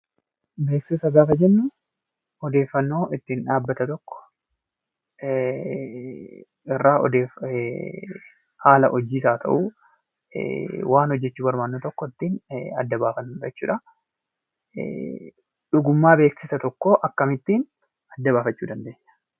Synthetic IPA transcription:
be̞ːksɪsɐɡaːfɐd͡ʒɛnːʊ | ɔd̪e̞ːfːɐnːo̞ːʔɪt̪ːiːnᶑaːbːɐt̪ɐt̪ɔkːɔ̥ | ɪrːaːɔ̰d̪eːf | haːlɐʔɔd͡ʒiːs̬aːt̪ʰɐ̰ʔṵː | waːnhɔd͡ʒːɛt͡ʃːuːbɐɾmaːnːoːt̪ɔkːɔɪt̪ːiːnɐ̰d̪ːɐbaːfɐnːuᶑɛt͡ʃːuːᶑɐ | ᶑʊɡʊmːaːbe̞ːksɪsɐt̪ɔkːoːʔɐkːɐmɪt̪ːiːn | ɐd̪ːɐβaːfɐt͡ʃːuːd̪ɐnd̪e̞ːɲːɐ̥

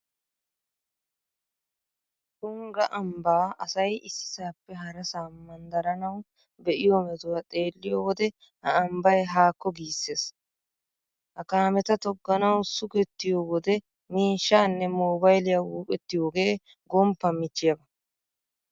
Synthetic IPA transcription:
t̪ʊŋɡɐʔɐmbaːɐsɐjʔɪsːsːaːpːɛɦɐɾɐsaːmɐnd̪ɐɾɐnɐw | bɛʔɪjoːmɛt̪ʊwat̪ʼe̞ːlːɪjoːwɔd̪ɛ | hɐɐmbɐjɦaːkːɔɡiːsːe̞ːs | hɐkaːmɛt̪ɐt̪ɔɡːɐnɐwsʊkɛt̪ːɪjowɔd̪ɛ | miːʃːaːnːɛmoːbɐjlɪjaːwuːkʼɛt̪ːɪjoːɡe̞ː | ɡɔmpːɐmɪt͡ʃːɪjɐbɐ

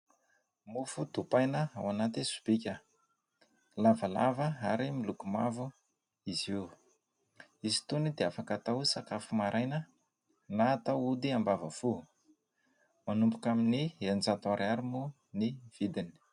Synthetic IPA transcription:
mufud̪̥upajnəawanat̪isu̥b̥ikʲə | lavala̰vəaɾimilukumavu | izi | izi̥t̪unid̪eafakat̪awsakafumaɾʔajnə | nat̪awud̪iambavəfu | manumpukaminiend͡zat̪aɾaɾimu | niv̥id̪ini̥

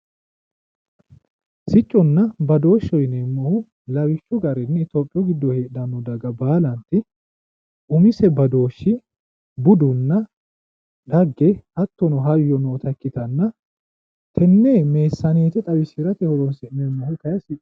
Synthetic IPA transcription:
sɪt͡ʃʼːɔnːɐbɐd̪o̞ːʃːɔjnemːɔhʊ | lɐwɪt͡ʃːʊɡɐɾɛnːɪt̪oːpʼːɪjɔɡɪd̪ːɔheːᶑɐnːɔd̪ɐɡɐbaːlɐnt̪ɪ | ʔʊmɪsɛbɐd̪o̞ːʃːɪ | bʊd̪ʊnːɐ | ᶑ̪ɐɡːɛhɐt̪ːɔnɔɦɐjːɔnoːt̪ɐkːɪt̪ɐnːɐ | t̪ʰɛnːeːme̞ːsːɐneːt̪ɛt̪ʼɐwɪsɪɾɐt̪ɛhɔɾɔnsɪnːɛmːɐhʊkɐjɐsɪt͡ʃʼː

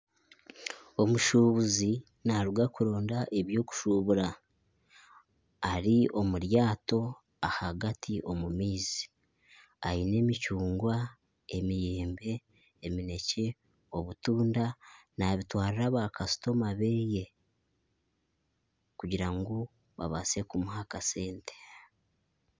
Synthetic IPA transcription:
o̞muʃuβuzi | naɾuɡakuɾo̞ːndaʔeβjo̞ːku̥ʃuβuɾa | ɾiʔo̞muɾjaːto̞ | ahaɡatʰiʔo̞mumiːzi | ajine̞ːmicuːŋɡwa | emijeːmbe̞ː | mine̞ce | o̞βutuːndanaβitwaːɾiɾaβakasu̥to̞maβe̞je̞ | kuɟiɾaŋɡo | βa̰βa̰se̞kumuhakase̞ːnte̥

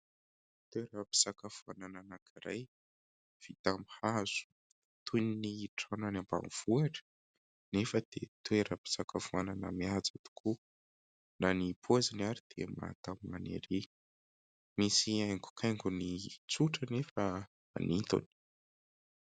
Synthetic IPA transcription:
t̪weɾəpi̥sakafuanananakʰiɾaj | v̥it̪amihaz̥u̥ | t̪ʰuniniːʈ͡ʂananamba̰mv̥uaʈ͡ʂə̥ | nefəd̪̥et̪eɾəpi̥sakafuananəmiad͡zat̪u̥kʰu | nanipʰuazinaɾid̪̥ḛma̰t̪amimanḛɾi | misiajŋɡu̥kʰajŋɡunit͡suʈ͡ʂənefə | a̰nint̪ṵni̥

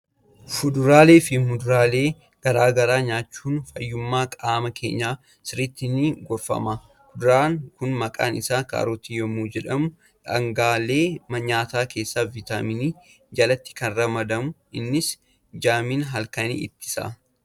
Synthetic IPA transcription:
fʊd̪ʊɾaːle̞ːfɪmʊd̪ʊɾaːleː | ɡ̥ɐɾaːɡɐɾaːɲaːt͡ʃːuːnfɐjːʊmːaːkʼaːmɐkʰḛːɲːaː | sɪɾɪt̪ːɪniːɡɔɾfɐ̰mɐ | fʊd̪ʊɾaːŋkʊnmɐkʼa̰ːnɪsaːka̰ːɾɔt̪ijɔmuːd͡ʒɛᶑɐmʊ | ᶑɐŋɡaːle̞ːmɐɲaːt̪aːkʰe̞ːsːaːvɪt̪amɪniː | d͡ʒɐlɐt̪ːɪ̥kɐnrɐmɐd̪ɐmʊʔɪnːɪs | d͡ʒaːmiːnɦɐlkɐnḭːʔɪ̰t̪ːɪ̥sa̰

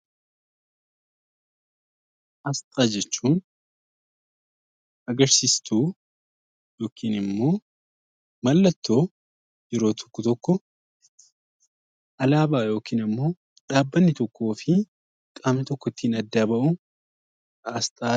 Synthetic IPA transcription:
ʔɐst̪ʼaːd͡ʒɛt͡ʃːuːn | ɐɡɐɾsiːst̪ʰuː | jo̞ːkʰiːnɪmːo̞ː | mɐlːɐt̪ːo̞ː | jɛɾo̞ːt̪ʰɔ̥kːɔt̪ɔkːɔ | ʔɐlaːbaːjo̞ːkiːnɪmːo̞ː | ᶑaːbːɐnːɪt̪ɔkːo̞ːfɪ | kʼaːmnɪt̪ɔkːɔt̪ːiːnɐd̪ːaːbɐʔʊ | ɐst̪ʼaː

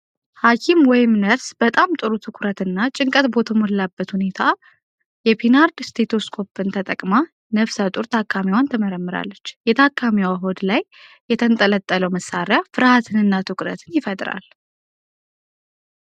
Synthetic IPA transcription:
hakʰimwɔjɪmnəɾsb̥ət̪ʼamt̪ʼɨɾut̪ʰɨkʷʰʼʊɾət̪ɨnːat͡ʃʼɪŋkʼət̪bo̞t̪ʰəmollabːət̪hune̞t̪ʰa | jɛpʰinaɾd̪st̪ʰet̪ʰoskʰo̞pʰːɨnt̪ʰət̪ʼəkʼma | nəβsət̪ʼuɾt̪ʰakʰʼːamiwant̪ʰəməɾəmːɨɾa̰lːət͡ʃːjɛt̪ʰakʰʼːamiwaɦo̞d̪lajː | ɛt̪ʰənt̪ʼələt̪ʼːələwməsːaɾjafɨɾhat̪ʰɨnɨnːat̪ʰɨkʼɾə̰t̪ʰɨnjɪfət̪ʼɾa̰l

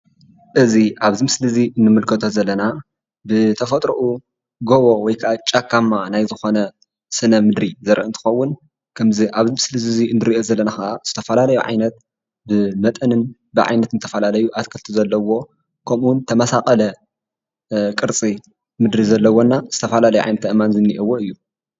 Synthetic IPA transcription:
ʔɨziʔaβzimɨslɨziʔɨnːɨmɨlkʰɐt̪ʰozɐlːɐna | bɨt̪ʰɐfɐt̪ʼɾuʔu | ɡoβo̞wɔjkʰaʔat͡ʃʼakʰːamːanajzɨxo̞nɐ | sɨnɐmɨd̪ɾizɐɾʔɨnt̪ʰɨ̥xɐwːʊn | kʰɐmziʔaβzimɨslɨzɨziɨnːɨɾiʔo̞zɐlːɐnaxɐʔaz̥ɨt̪ʰɐfɐlalɐjuʕa̰jnɐt̪̚ | bɨmɐt̪ʼɐnɨn | bɨʕa̰jnɐt̪nɨt̪ʰɐfɐlalɐjuʔat̪kʰɐlt̪ʰuzɐlːɐwo̞ | kʰɐmunt̪ʰɐmɐsakʼɐlɐ | kʼɨɾt͡sʼi | mɨd̪ɾizɐlːɐwonːazɨt̪ʰɐfɐlalɐjuʕa̰jnɐt̪ɐʔɨmanzɨnːiʔiwːoɨjːu

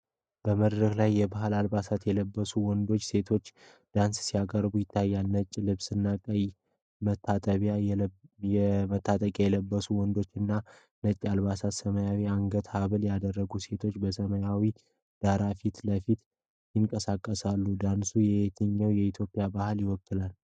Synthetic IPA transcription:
b̥əməd̪ɾəklajːɛbahɨlalbasat̪jɛləbːəsuwɔnd̪o̞t͡ʃːse̞t̪ʰo̞t͡ʃː | d̪̥anssijakʼəɾbujɪt̪ʰːajːalnət͡ʃʼːlɨβsɨnːakʼəj | mət̪ʰːat̪ʼəβja | jɛmət̪ʰːat̪ʼəkʼajɛləbːəsuwɔnd̪o̞t͡ʃːɨnːa | nət͡ʃʼːalβasat̪səməjawiaŋɡət̪haβɨljad̪ərːəɡuse̞t̪ʰo̞t͡ʃːbəsəməjawi | d̪̥aɾafit̪ləfit̪ | jɪŋkʼəsakʼːəsalːud̪ansujɛet̪ʰɨɲːəwjɛit̪ʰjo̞pʼːɪjabahɨljɪwɔkːɨlal

